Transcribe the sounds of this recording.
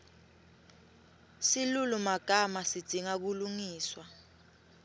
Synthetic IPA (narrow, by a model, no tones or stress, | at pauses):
silulumaɡ̥ʱamasid̥d̥ʱiŋak̬uluŋiːswa